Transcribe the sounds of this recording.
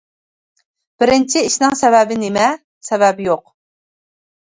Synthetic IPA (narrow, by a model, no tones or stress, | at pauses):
b̥ɪɾɪnt͡ʃʰiiʃnɪŋsɛvɛbɪnɪmɛ | sɛvɛbjoq